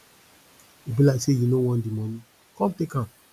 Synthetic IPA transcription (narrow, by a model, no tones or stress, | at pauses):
ibilaisejinowɔ̃ndimɔ̃nĩ | kɔ̃mtekã